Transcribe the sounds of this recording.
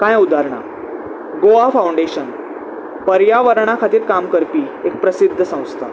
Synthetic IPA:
kajud̪ʱaɾɳa̰ | ɡoafawɳɖeɕən | pəɾjaʋəɾɳ̃akʰat̪iːɾkamkəɾpiːek̚pɾəsid̪ʱːəsãw̃st̪a

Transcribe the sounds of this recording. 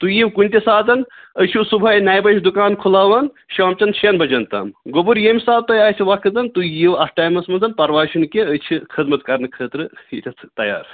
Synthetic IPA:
t̪ujiwkunʲt̪ʲisaːd̪ɐn | əjt͡ʃʰisubʱɐjnaːjbɐt͡ʃʰd̪ukaːnkʰulaːʋɐn | ʃaːmt͡ʃɐnt͡ʃʰɐnbɐd͡ʒɐnt̪ɐ̰mɡobuɾjemsaːb̚t̪ɐjaːjt͡ʃʲʰiʋakʰɨt̪ɐnt̪ujiwɐsʰʈaːjmɐsmɐnzɐnpɐɾʋaːt͡ʃʰunkiət͡ʃʰikʰɐd̪mɐt̪̚kɐɾnɨkʰəːt̪ɾɨitʲʰɐt̪ʰt̪ɐja̰ːɾ

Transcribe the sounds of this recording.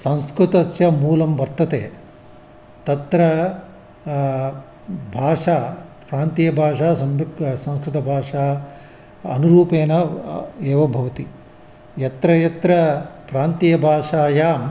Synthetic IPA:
sɐ̃w̃skɾut̪ɐsjɐmuːlɐmʋɐɾt̪ːɐt̪eː | t̪ɐt̪ɾɐ | bʱaːʂaː | pɾaːnt̪ijɐbʱaːʂaːsɐmsɐ̃w̃skɾut̪ɐbʱaːʂaː | ɐ̰nuɾuːpeːnɐeːʋɐbʱɐʋɐt̪i | jɐt̪ɾɐjɐt̪ɾɐpɾaːnt̪ijɐbʱaːʂaːjaːm

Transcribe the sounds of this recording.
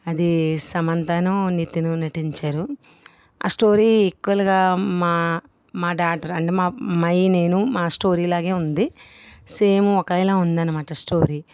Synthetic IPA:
ɐd̪isɐmɐnt̪aːnɐnit̪inunɐʈiɲt͡ʃaːɾu | a̰ːsʈo̞ːɾiːekːuʋɐluɡaːmaː | maːɖaːʈɐɾɐɳʈemaːmɐjne̞ːnumaːsʈo̞ːɾiːlaːɡe̞ːund̪i | seːmuɔkɐjlaːund̪ɐnɐmaːʈɐsʈoːɾiː

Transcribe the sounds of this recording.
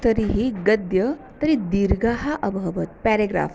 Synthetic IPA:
t̪əɾiɦiɡəd̪jət̪əɾid̪iɾɡaɦaʔəbʱəʋət̪̚pæɾeɡɾa̰f

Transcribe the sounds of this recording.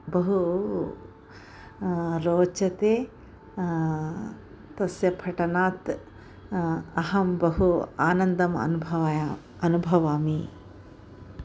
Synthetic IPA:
bɐɦu | ɾoːt͡ʃɐt̪eː | t̪ɐsjɐpʰɐʈɐnaːt̪ | ɐɦɐmbɐɦuaːnɐnd̪ɐmɐ̰nuɐʋ | ɐnubʱɐʋaːmi

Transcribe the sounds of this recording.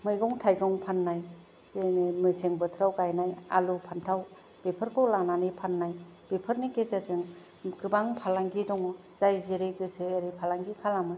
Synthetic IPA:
mɯjɡɔŋtʰajɡɔŋpʰanːaj | senmɯseŋbɯtʰɾawɡajnaja̰lupʰantʰaw | b̥epʰɯɾkʰɔwlananipʰanːaj | b̥epʰɯɾnikezaɾzɯŋ | ɡɯbaŋpʰalaŋɡidɔŋɔ | z̥ajzeɾeɡɯsʰɯːɾipʰalaŋɡikʰalamɯ

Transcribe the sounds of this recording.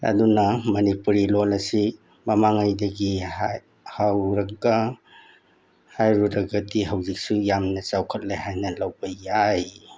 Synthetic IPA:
ɐ̰dunɐmɐnipuɾilolɐsi | mɐmaŋajdɐɡi | hawɾɐɡɐ | hajɾuɾɐɡɐdiɦɐwzik̚sujamnɐt͡ʃawkʰɐt̚lehajnɐlawbɐjaj

